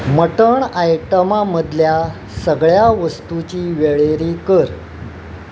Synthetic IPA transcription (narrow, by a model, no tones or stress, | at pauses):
məʈəɳajʈəmaməd̪ʱlja | səɡɭjaʋəst̪ut͡ɕiːʋeɭeɾikəɾ